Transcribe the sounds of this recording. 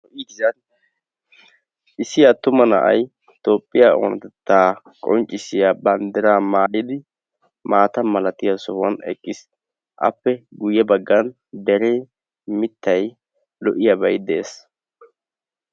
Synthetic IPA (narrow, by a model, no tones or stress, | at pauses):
ɔʔiɡɪzɐn | ʔɪsɪjat̪ːʊmɐnɐ̰ʔɐ̰j | t̪o̞ːpʼːɪjao̰nɐt̪ɛt̪ːaː | kʼɔnt͡ʃʼːɪsɪjabɐnd̪ɛɾaːmaːlɪd̪ɪ | maːt̪ɐmɐlɐt̪ɪjasɔwɐnɛ̰kʼːɪs | ʔɐ̰pːɛɡʊjːɛbɐɡːɐn | d̪ɛɾe | mɪt̪ːɐj | lɔʔɪjɐbɐjd̪eːs